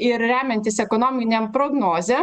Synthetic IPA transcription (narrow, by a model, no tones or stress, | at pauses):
ɪɾɾʲæːmʲɛnʲt̪ʲɪsɛkonoːmʲɪnʲɛmpɾoːɡnoːzʲe